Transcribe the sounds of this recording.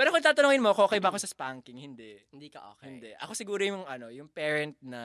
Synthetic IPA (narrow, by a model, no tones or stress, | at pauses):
pɛːɾokont̪aːt̪ɐnoːŋɪnmokooːkɐjbɐɐkosɐspaŋkɪŋhɪnd̪ɛʔd̪io̰ɪnd̪ɛʔɐ̰kosɪɡuːɾojʊŋʔɐno̞jʊŋpɛːɹɛnt̪̚nɐ